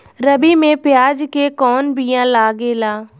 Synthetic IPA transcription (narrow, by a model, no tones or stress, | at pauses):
ɾəbimẽpɪjaːd͡ʒkekɔːnbʱijãːlaːɡeːlaː